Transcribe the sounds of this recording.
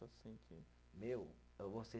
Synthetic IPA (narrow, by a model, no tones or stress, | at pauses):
ɐsĩkʰi | mew | vose